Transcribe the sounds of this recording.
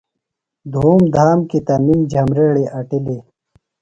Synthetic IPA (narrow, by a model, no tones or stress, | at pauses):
d̪ʱuːmd̪ʱaːmkit̪ɐmimd͡ʑʱɐmɾeɽeʔɐʈileː